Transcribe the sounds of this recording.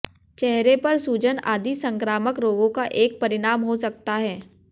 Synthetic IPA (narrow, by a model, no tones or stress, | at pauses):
t͡ʃɛɦɾepɐɾsuːd͡ʒənaːd̪isə̃ŋkɾaːməkɾoːɡõkaʔeːk̚pɐɾɪɽaːmɦosɐk̚t̪aɦɛː